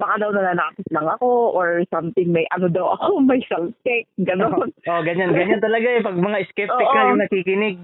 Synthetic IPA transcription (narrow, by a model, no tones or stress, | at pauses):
bɐkad̪ɐwnɐnaːnaːkɪslɐŋɐko̞ʔoɹsamt̪ɪŋmɐjʔɐnod̪ɐwɐ̰komɐjsɐlkɛk̚ɡɐnonʔoɡɐɲanɡɐɲant̪ɐlɐɡaɛpɐɡ̚mɐŋaɪskɛpʔtoɪkʔajoŋnɐkiːkɪnɪɡ̚